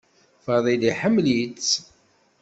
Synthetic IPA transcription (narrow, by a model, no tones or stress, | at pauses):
fəðˤiliħəmːlit͡sː